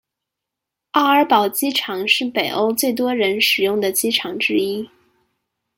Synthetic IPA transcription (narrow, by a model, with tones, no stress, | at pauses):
ɑ˥˩ə˞˧˥pɑ˨˩ʊt͡ɕi˥ʈ͡ʂʰɑ˧˥ŋʂɻ̩˥˩pe˨˩ɪʔo˥ʊt͡swe˥˩ɪt̪̬wɔ˥ɻə˧˥nʂɻ̩˨˩jʊ˥˩ŋd̪ə˩t͡ɕi˥ʈ͡ʂʰɑ˧˥ŋʈ͡ʂɻ̩˥i˥